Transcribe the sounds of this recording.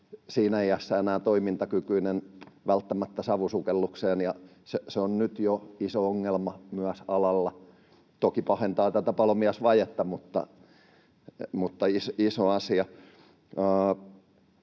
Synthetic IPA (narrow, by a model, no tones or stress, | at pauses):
siːnæeiæsːæenæːt̪oimint̪ɑkykyinenʋælt̪ːæmæt̪ːæsɑʋusukelːukseːnjɑ | seseonnyt̪joisooŋːelmɑmyæsɑlɑlːɑ | t̪okipɑhent̪ɑːt̪æt̪æpɑlomiɑsʋɑjet̪ːɑmut̪ːɑ̰ | mut̪ːɑisisoɑsiɑ | əː